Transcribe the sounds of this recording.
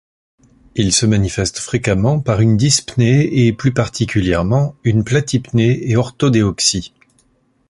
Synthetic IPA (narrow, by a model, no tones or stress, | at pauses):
ilsəmanifɛst̪fχekamɑ̃paʁynd̪ispneːplypaʁt̪ʰikʲyljɛʁmɑ̃ynplat̪ipneeɔʁt̪od̪eɔksi